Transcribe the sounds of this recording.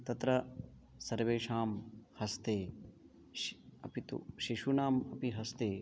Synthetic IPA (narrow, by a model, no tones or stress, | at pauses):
t̪ɐt̪ɾɐ | sɐɾʋeːʂaːmhɐst̪eː | ɐpit̪ṵʃiʃunaːmɐpiɦɐst̪eː